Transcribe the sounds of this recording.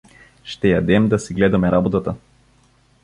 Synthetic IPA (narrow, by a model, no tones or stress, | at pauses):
ʃt̪ɛjad̪ɛmd̪asiɡlɛd̪amɛɾabɔt̪at̪a